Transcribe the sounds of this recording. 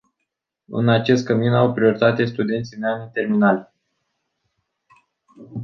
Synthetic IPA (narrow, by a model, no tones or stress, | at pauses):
ɨ̰nat͡ʃe̞st̪̚kəminawpɾio̞ɾit̪at̪e̞st̪ud̪e̞nt̪sijmeanit̪e̞rminalʲ